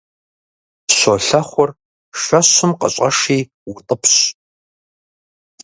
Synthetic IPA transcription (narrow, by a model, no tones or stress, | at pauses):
ɕoɬɐχʷɔr | ʃɐɕʊmqə̰ɕʷʼɐ̰ʂiː | wʊtʼəpʰɕ